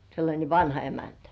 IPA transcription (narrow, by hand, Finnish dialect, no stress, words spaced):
selːɑnʲe ʋɑnhɑ emæntæ